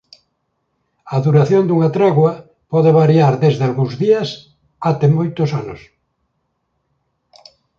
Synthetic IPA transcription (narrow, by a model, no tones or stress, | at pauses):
aðuɾaθjond̪uŋat̪ɾɛɣwa | pɔðeβ̞aɾjaɾðezðealɣũŋzðias | at̪emojt̪osanos